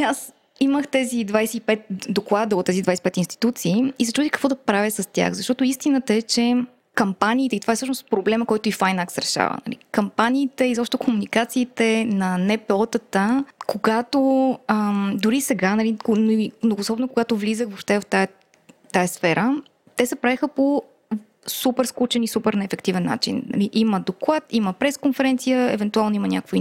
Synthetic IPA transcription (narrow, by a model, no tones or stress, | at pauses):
as | iməxt̪ɛzid̪vajsɛipɛt̪̚d̪oklˠad̪əot̪ːɛzid̪vajsɛipɛt̪inst̪i̥t̪ut̪siːisɛt͡ʃɾud̪ixkəkvɔd̪ɐpɾavʲisɐst̪ʲja̰xzɐʃt̪ɔt̪oist̪inət̪əɛt͡ʃɛ | kɐmpaniːt̪ɛit̪ovaɛsɤʃnospɾoblɛməkɔjt̪oifajnaksɾɛʃa̰və̰nɐ̰lḭkɐmpaniːt̪ɛizɔpʃt̪t̪kʰomunikat̪siːt̪ɛnɐnɛpɛɔt̪ət̪əkoɡat̪oəmd̪oɾisɛɡanɐlikonmnoɡoːsɔbnokoɡat̪ovlizəxvopʃt̪ɛvft̪a | t̪ajɐsfɛɾə | t̪ɛsɛpɾavɛxəpo | supɛɾsklut͡ʃɛnisupɛɾnɛːfɛkt̪ivɛnːa̰t͡ʃḭnnɐ̰liʔiməd̪oklˠat̪iməpɾɛskonfɛɾɛnt̪sijəɛ̰vɛnt̪ualˠnoimənʲakvi